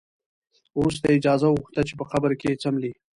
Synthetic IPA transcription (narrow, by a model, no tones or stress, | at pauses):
uus̬t̪aɪd͡ʒɑzawuxt̪at͡ʃepəxabəɾket͡samli